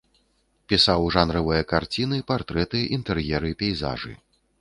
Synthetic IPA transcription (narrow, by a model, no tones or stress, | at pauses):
pʲisawʐanɾɐvɨjɐkart͡sʲinɨpart̪ɾɛt̪ɨʔint̪ɛrjɛɾɨpʲɛjza̰ʐɨ̰